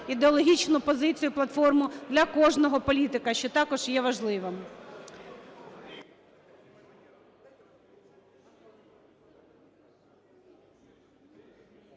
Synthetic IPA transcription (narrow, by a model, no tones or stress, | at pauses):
id̪eɔlˠɔɦʲit͡ʃnʊpɔzɪt͡sʲijʊplˠɐt̪fɔrmʊd̪lʲɐkɔʒnɔɦɔpɔlʲit̪ɪkɐʃt͡ʃɔt̪ɑkɔʒ̥jɛʋɐʒlˠɪʋem